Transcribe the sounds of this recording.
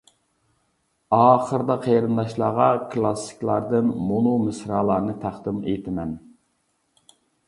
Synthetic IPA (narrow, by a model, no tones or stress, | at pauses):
ɑːχəɾd̪ɑqʰejɾɨnd̪ɑʃlˠɑːʁɑkʰlˠɑsɪ̥kʲlˠɑɾd̪ɨnmonumɨsɾɑːlˠɑɾnɨt̪ʰæχd̪ɨmḛt̪ʰɪmɛn